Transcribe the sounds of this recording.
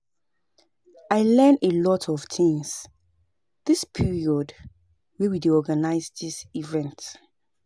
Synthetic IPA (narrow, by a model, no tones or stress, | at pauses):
aɪlɛ̃nelɔtʰɔv̥tʰĩŋs | ð̥ɪspʰiɹiɔd | wɛwidiɔɡanaɪzdisivɛ̃nt